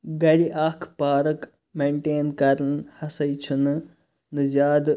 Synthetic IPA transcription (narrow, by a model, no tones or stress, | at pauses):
ɡɐɾiʔaːkʰpaːɾək | meːɳʈeːnkɐɾənhɐsɐjt͡ʃʰun | nɨzaːd̪